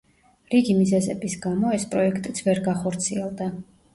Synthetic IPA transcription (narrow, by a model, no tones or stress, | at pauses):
ɾiɡimizɛzɛbisɡamɔɛspʼɾɔɛkʰt̪ʼit̪sʰvɛɾɡaχɔɾt̪sʰiɛlˠd̪a